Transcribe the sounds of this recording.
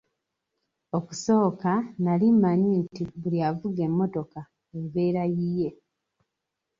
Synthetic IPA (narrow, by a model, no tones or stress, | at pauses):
o̞ku̥so̞ːkanalimːaɲintiβuliavuɡe̞mːo̞to̞ka | eβe̞ːɾajije̞